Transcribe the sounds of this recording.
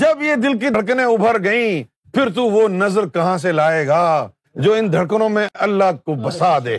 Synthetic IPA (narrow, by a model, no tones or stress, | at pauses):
d͡ʒɐbjed̪ɪlk̬iɽk̬nẽʊbʱəɾɡɐĩ | pʰɪɾt̪̬uʋonɐzəɾkɐɦãs̬elaːeːɡaː | d͡ʒoːɪnd̪ʱɐɽkənõmẽʔɐlːaɦkobɐsaːd̪eː